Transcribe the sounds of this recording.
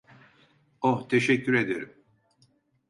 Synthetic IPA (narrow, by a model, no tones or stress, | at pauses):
oht̪ʰeʃɛcʲːyɾe̞d̪eɾim